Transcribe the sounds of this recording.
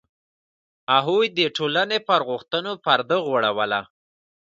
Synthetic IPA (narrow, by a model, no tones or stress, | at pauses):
aɦujd̪əʈolanepəɾɣʊxt̪ənopaɾd̪əɣwaɽawəla